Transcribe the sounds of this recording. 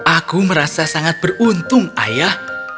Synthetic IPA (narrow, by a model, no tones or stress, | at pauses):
ʔakuməɾasasaŋat̪̚b̥ə̤runt̪ʊŋa̰jah